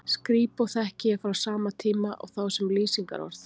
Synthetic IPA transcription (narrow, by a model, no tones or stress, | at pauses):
skɾiːpawθɛhcɪɛfɾawsaːmat̪ʰiːmaʔɔ̰ɣθawsɛmliːsiŋka̰ɾɔ̰ɾθ